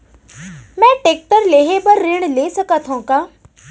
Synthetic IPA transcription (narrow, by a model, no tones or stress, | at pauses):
mɛ̃ʈeːk̚ʈəɾleːɦebəɾːɪɳ̃lesəkət̪ʰɦũkaː